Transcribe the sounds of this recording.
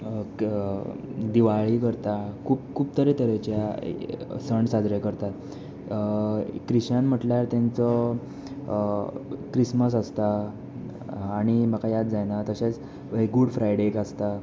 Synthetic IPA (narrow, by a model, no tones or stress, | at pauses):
d̪iʋaɭikəɾt̪akʰuːp̚kʰuːp̚t̪əɾet̪əɾet͡ɕja̰ | səɳɖsad͡zɾekəɾt̪at̪ | kɾiɕanm̤əʈljaɾt̪jãnt͡sɔ | kɾisməs̬əst̪a | ɽ̃iməkajat̪d͡zajnat̪əɕet͡s | eɡuɽfɾajɽekast̪a